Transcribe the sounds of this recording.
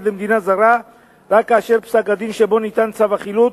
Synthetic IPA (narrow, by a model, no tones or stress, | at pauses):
lemd̪inazaʁa | ʁakːaːʃe̞ʁpsakad̪inʃebo̞nit̪ant͡savaχilut̪